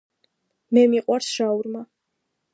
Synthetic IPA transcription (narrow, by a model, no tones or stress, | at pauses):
mɛmiqʼwaɾsʃauɾma